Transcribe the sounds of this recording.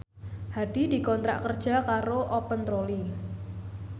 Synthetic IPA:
had̥i̤di̤kɔnt̪ɾa̰ʔkərd̥ʒ̥a̤kaɾoʔɔpənt̪ɾoli

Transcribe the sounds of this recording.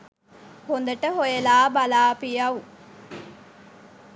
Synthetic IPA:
hond̪ɐʈəɦojelaːbɐlaːpijɐʋu

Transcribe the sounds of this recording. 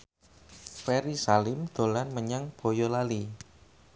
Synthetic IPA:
fɛɾisalɪmd̪̥o̤lanməɲaŋb̥o̤jɔlali

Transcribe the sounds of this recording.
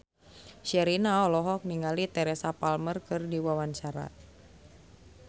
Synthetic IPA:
ʃɛɾinaɔlɔɦɔk̚niŋalit̪ɛɾɛsapalmərkɨrdiwawant͡ʃaɾa̰

